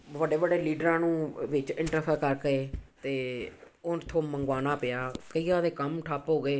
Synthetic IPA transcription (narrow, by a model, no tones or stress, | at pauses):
ʋəɖeːʋəɖeːliːɖəɾãːnũːʋɪt͡ʃɪ̃ɳʈəɾpʰəɾkəɾkeːt̪eː | ʊnt̪ʰoːməŋɡaːnaːpɪjaːkəiːãːd̪eːkəmʈʰaːpɦoːɡeː